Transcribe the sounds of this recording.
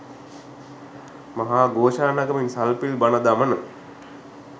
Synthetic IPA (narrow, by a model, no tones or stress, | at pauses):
maɦaːɡoːʃaːnaɡəminsalpilbanəd̪amənə